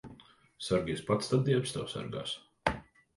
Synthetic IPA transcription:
saɾɡiːspat̪st̪ad̪d̪iɛpst̪awsa̰ɾɡa̰ːs

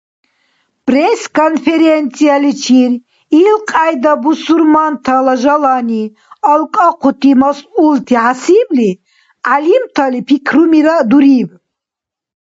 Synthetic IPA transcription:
pʼrɛskʰɔnfɛɾɛnt̪sʰʼialit͡ʃʰiɾ | ilqʼajd̪abusuɾmant̪ʰalaʒalani | alkʼaqʰut̪ʰʼimasult̪ʰiʕasibli | alimt̪ʰalipʰikʰɾumiɾad̪uɾib

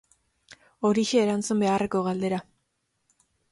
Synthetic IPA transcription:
o̞ɾiʃe̞ːɾant͡sumbe̞are̞ko̞ɣald̪eɾa

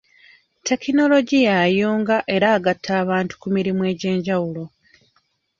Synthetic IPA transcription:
te̞kino̞lo̞ɟijajuːŋɡaʔe̞ɾaːɡatʰːaːβaːntu̥kumiɾimwe̞ːɟe̞ːɲɟawulo̞

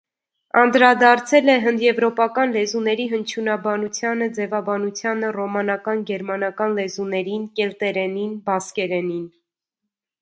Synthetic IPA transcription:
ɑnd̪ɾɑd̪ɑɾt͡sʰɛlɛɦənd̪jɛvɾɔpɑkɑnlɛzunɛɾiɦənt͡ʃʰunɑbɑnut͡sʰjɑnəd͡zɛvɑbɑnut͡sʰjɑnərɔmɑnɑkɑnɡɛɾmɑnɑkɑnlɛzunɛɾinkɛlt̪ɛɾɛninbɑskɛɾɛnin

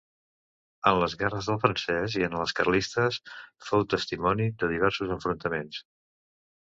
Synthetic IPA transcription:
ənləzɣɛrəzðəlˠfɾənsɛziənələskərlist̪əsfowt̪əst̪imɔniðəðiβ̞ɛɾsuzəɱfɾunt̪əmens

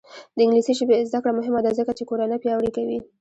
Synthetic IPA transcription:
d̪əɪŋɡlisiʃəbezd̪akɽamʊɦɪmad̪azəkat͡ʃekoɾanəpjɑwɽikawi

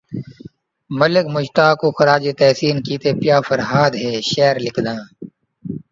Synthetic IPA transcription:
məlɪkmʊʃt̪aːkoːxɐɾaːd͡ʒet̪ɛːsiːnkiːt̪eːpjaːfɐɾɦaːd̪ɦeːʃɛːɾlɪkʰd̪ãː

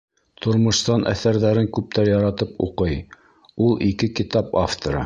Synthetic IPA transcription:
t̪ʰŏɾmŏʃst̪ɑnʔæ̰θæɾðæɾɘŋkʉp̚t̪æɾjɑɾɑt̪ɤpṵqɤj | ulˠikɘkit̪ɑpaft̪oɾɤ̰

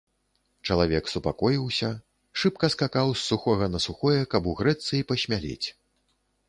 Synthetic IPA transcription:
t͡ʂɐlˠavʲɛksupakɔjiwsʲɐ | ʂɨpkɐskakawsːuxɔɣɐnɐsuxɔjɛkɐbuɣɾɛt̪sɨjipɐɕʲmʲalʲḛt͡sʲ

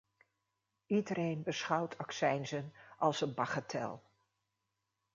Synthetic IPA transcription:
idərejnbəsχɑwtʰɑksɛjnzənʔɑlˠsənbɑχatʰɛ̰lˠ

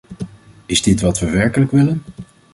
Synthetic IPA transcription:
ɪzdɪtʋɑtʋəʋɛɹkələkʋɪlən

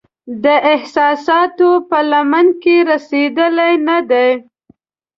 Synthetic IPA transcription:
d̪əʔɪhsɑsɑt̪opəlamankeɾased̪əlajnad̪aj

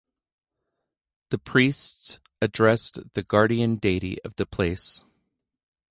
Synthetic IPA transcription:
ðɨpʰɹ̥ists | ɨdɹɛsðɨɡɑɹɾiɨ̃ndeɪɾḭʔʌ̰vðɨpʰl̥eɪs

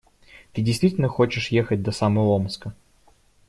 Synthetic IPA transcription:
t̪ɨd͡zʲɪjst̪vʲitʲɪlʲnəxɔt͡ɕɪʂjexət͡sʲd̪ɐsamɐlˠɔmskə

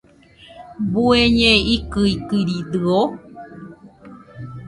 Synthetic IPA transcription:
bueɲẽikɨikɨɾid̪ɨo

